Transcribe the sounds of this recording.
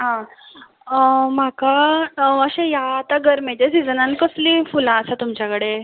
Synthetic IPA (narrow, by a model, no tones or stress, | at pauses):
ɦã | makaəɕẽjaːt̪aɡəɾmet̪esid͡zənãnkəslifulãəsat̪umt͡ɕjakəɽe